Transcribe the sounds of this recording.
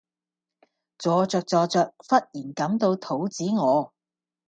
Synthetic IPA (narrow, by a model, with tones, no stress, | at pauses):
t͡sɔː˨˧t͡sœː˧k̚t͡sɔː˧t͡sœː˧k̚fɐ˥t̚jiː˨˩nkɐ˨˥mt̪o˧wt̪ʰo˨˥wt͡siː˨˥ŋɔː˨˧